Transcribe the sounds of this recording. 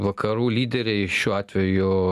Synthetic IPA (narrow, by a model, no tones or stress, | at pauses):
ʋɐkʰɐɾuːlʲiːd̪ʲɛɾʲɛɪʃʲuːɑːt̪ʲʋʲɛjʊ